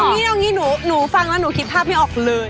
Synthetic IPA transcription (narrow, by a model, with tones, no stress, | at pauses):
ŋiː˦˥a˧ŋiː˦˥nuː˩˦nuː˩˦fa˧ŋlɛ˦˥nuː˩˦kʰi˦˥t̪̚pʰaː˥˩p̚ha˥˩ʔɔː˨˩k̚lɤː˧j